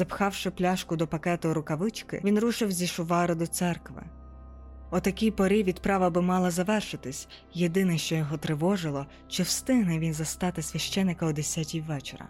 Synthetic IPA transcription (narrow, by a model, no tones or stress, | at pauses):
z̥ɐpxɑwʃɪplʲaʃkʊd̪ɔpɐkɛt̪ɐɾʊkɐʋɪt͡ʃkɪ̰ʋʲinɾuʃɪwzʲiʃʊʋɑɾɪd̪ɔt̪sɛrkʋɪ̰ | ɔt̪ɐkʲijpɔɾʲiʋʲid̪pɾɑʋɐbɪmɑlˠɐzɐʋɛrʃɪt̪ɪsʲ | jed̪ɪnɛʃt͡ʃɔjɔɦɔt̪ɾɪʋɔʒɪlˠɔ | t͡ʃɪwst̪ɪɦnɛʋʲinzɐst̪ɑt̪ɪsʲʋʲɐʃt͡ʃɛnːɪkɐʊd̪esʲatʲiwʋɛt͡ʃḛɾɐ̰